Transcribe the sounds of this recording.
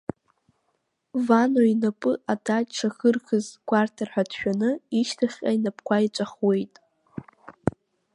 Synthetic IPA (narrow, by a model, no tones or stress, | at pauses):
vanoinapʼɨʔadaʈ͡ʂʰaxɨrkʰɨzkʷʰʼartʰarħʷᶣadʃᶣanɨiʃtʰaχʲʼainapʰkʷʰait͡ʃʷʼaχwe̞jtʼ